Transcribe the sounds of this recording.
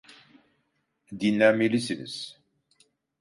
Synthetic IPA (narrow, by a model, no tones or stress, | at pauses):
d̪jinːæmilislə̰s